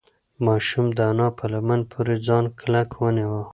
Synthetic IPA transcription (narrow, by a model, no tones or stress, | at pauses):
mɑʃumd̪əanɑpʰəlamanpʰoɾed͡zɑnkʰlakwəniwə